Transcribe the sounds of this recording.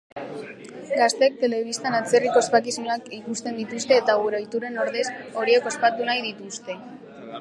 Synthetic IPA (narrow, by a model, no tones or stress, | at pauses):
ɡast̪e̞k̚t̪e̞le̞β̞ist̪anat͡se̞riko̞espakismunakikust̪e̞nd̪it̪ust̪e̞ːt̪aɣuɾojt̪uɾe̞no̞ɾðe̞so̞ɾieko̞spat̪unajðit̪ust̪e̞